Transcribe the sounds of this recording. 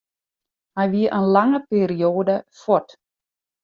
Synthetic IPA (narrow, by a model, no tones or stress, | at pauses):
hajʋiəʔənlaŋəpeːɾioːdəfɔt